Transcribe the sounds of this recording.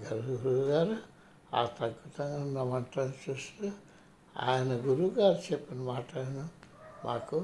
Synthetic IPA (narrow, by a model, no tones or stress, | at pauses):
ɡɐɾɡuɾuɡaːɾ | a̰ːt̪ɐɡut̪ɐŋɡɐnɐmɐɳʈ̪ɐnt͡ʃusɾu | a̰ːjɐnɐɡuɾuɡaːɾt͡ʃepːinɐmaːʈaːjɐnɐmʔaːku